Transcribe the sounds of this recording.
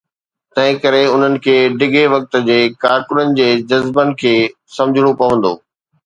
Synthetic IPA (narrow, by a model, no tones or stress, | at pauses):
t̪ɐ̃ɦɪ̃kɐɾeʊn̤ənɪ̆kʰeːɖɪɡʱeʋɐk̚t̪ə̆d͡ʑeːkaːɾkʊnənɪ̆d͡ʑeːd͡ʑɐzbənɪ̆kʰeː | sɐ̃md͡ʑʱɪɽ̃opɐʋə̃nd̪o̰ː